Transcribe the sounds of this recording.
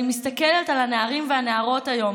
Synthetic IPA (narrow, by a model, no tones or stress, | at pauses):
imist̪ɐkeletalaneaʁimveaneaʁo̞tajo̞m